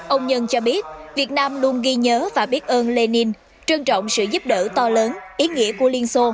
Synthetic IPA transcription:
ʔə˧wŋ͡mɲə˧nt͡ɕɔ˧ɓi˦˥ət̚vi˨˩ət̚naː˧mlu˧ənɣi˧ɲəː˨˦vaː˨˩ɓi˦˥ət̚ʔəː˧nle˧ni˧n | t͡ɕɨ˧ŋt͡ɕɔ̰˧˨wŋ͡msɨ̰˧˨zu˦˥p̚ɗə̰ː˧˩t̪ɔ˧ləː˨˦nʔi˨˦ŋḭ˧˥əku˧˩əli˧ənso˧

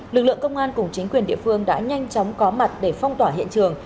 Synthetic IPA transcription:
lɨ˨˩k̚lɨ̰˧˨əŋkə˧wŋ͡mʔaː˧nkʊ˨˩ŋ͡mt͡ɕï˨˦ŋ̟kwi˨˩ənɗḭ˧˨əfɨ˧əŋɗa̰ː˧˥ɲa˧jŋ̟t͡ɕɔ˨˦wŋ͡mkɔ˨˦ma˨˩t̚ɗe˧˩fɔ˧wŋ͡mt̪waː˧˩ɦḭ˧˨ənt͡ɕɨ˨˩əŋ

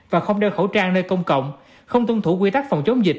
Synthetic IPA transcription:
vaː˨˩xə˧wŋ͡mɗe˧˩xə˧˩wt͡ɕaː˧ŋnəː˧jkə˧wŋ͡mkə̰˧˨wŋ͡m | xə˧wŋ͡mt̪ʊ˧ŋ͡mt̪ʰu˧˩kwi˧t̪a˦˥k̚fa˨˩wŋ͡mt͡ɕə˨˦ŋ͡mzï˨˩k̚

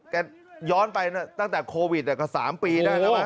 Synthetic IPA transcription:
ka˧˩ | jɔː˦˥˩npa˧jna˦˥˩t̪a˥˩ŋt̪ɛː˨˩kʰoː˧wi˨˩niː˨˩kɔː˥˩sa̰ː˩˦mpiː˧daː˥˩j

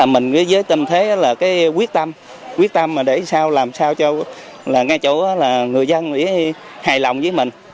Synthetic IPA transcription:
a˨˩mï˨˩ŋ̟kəː˨˦zəː˨˦jt̪ə˧mt̪ʰe˨˦ʔaː˨˦laː˨˩kaː˨˦jkwi˦˥ət̚t̪ə˧m | kwi˦˥ək̚t̪ə˧mːaː˨˩ɗe˧˩saː˧wlaː˨˩msaː˧wt͡ɕɔ˧˦ | laː˨˩ŋaː˧jt͡ɕo˧˩˨ʔaː˨˦laː˨˩ŋɨ˨˩əjzə˧nʔḭ˧˥ə | haː˨˩jlɔ˨˩wŋ͡mzəː˨˦jmï˨˩ŋ̟

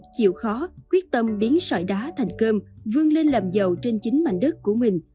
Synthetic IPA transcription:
t͡ɕḭ˧˨əwxɔ˨˦kwi˦˥ət̚t̪ə˧mɓi˨˦ənsɔ̰ː˧˩jɗaː˨˦t̪ʰa˨˩jŋ̟kəː˧mvɨ˧əŋle˧nləː˨˩mzə˨˩wt͡ɕe˧nt͡ɕï˨˦ŋ̟ma̰˧˨jŋ̟ɗə˦˥t̚kːu˧˩əmï˨˩ŋ̟

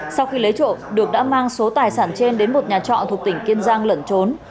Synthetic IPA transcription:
sa˧wxi˧lə˨˦jt͡ɕo̰˧˨ɗɨ˨˩ək̚ɗa̰ː˧˥maː˧ŋso˨˦t̪aː˨˩jsaː˧˩nt͡ɕe˧nɗe˨˦nmo˨˩t̚ɲaː˨˩t͡ɕɔ̰˧˨t̪ʰu˨˩ək̚t̪ï˧˩ŋ̟ki˧ənzaː˧ŋlə˧˩nt͡ɕo˨˦n

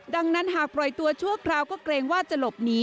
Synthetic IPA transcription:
da˧ŋna˦˥nɦaː˨˩k̚pɾɔ˨˩jt̪u˧ɐt͡ɕʰu˥˩ɐkʰɾaː˧wkɔː˥˩kɾeː˧ŋwaː˥˩t͡ɕa˨˩lo˨˩p̚niː˦˥

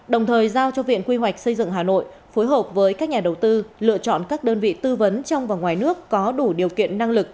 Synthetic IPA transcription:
ɗə˨˩wŋ͡mt̪ʰəː˨˩jzaː˧wt͡ɕɔ˧vḭ˧˨ənkwi˧ɦwa˨˩jk̟̚sə˧jzɨ̰˧˨ŋɦaː˨˩no̰˧˨j | fo˨˦jɦəː˨˩p̚vəː˨˦jkaː˦˥k̚ɲaː˨˩ɗə˨˩wt̪ɨ˧lɨ̰˧˨ət͡ɕɔ̰˧˨nkaː˦˥k̚ɗəː˧nvḭ˧˨t̪ɨ˧və˨˦nt͡ɕɔ˧wŋ͡mvaː˨˩wŋwaː˨˩jnɨ˦˥əkːɔ˨˦ɗu˧˩ɗi˨˩əwkḭ˧˨ənːa˧ŋlɨ˨˩k̚

